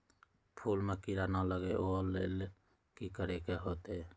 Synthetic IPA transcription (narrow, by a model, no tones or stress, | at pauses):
pʰuːlmekiɾanaləɡeʔolel | kikəɾekeɦoːt̪e